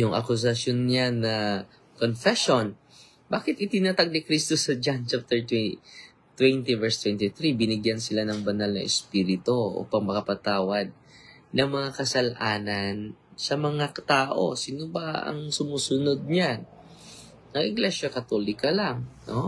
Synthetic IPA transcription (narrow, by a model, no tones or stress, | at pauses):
jʊŋʔɐ̰kʊs̬ɐsjonːɲanːɐ | konfɛʃon | baːkɪt̪ʔɪt̪ɪnaːt̪aɡ̚nikɾist̪osɐd͡ʒant͡ʃap̚t̪ɛɹt̪ | t̪wɛnt̪ivɛɹst̪wɛnt̪ɪθɾibɪnɪɡjansɪlanɐŋbɐnalnɐ̰ʔɛspiːɾɪt̪o̞ʔo̰pɐŋmɐkɐpɐt̪aːwɐd̪̚ | nɐŋmɐŋakɐsɐlʔaːnɐnsɐmɐŋat̪aːʔo̞sɪnobaʔɐ̰ŋsʊmuːsʊnod̪̚ɲan | nɐŋʔɪɡlɛʃjɐkɐt̪olɪkɐlaŋno